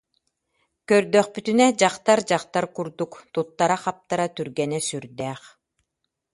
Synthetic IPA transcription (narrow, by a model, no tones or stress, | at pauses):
kœɾd̪œχpyt̪ynɛd͡ʑaqt̪aɾd͡ʑaqt̪aɾkuɾd̪ukt̪ut̪ːaɾaχap̚t̪aɾat̪yɾɡɛnɛsyɾd̪ɛːχ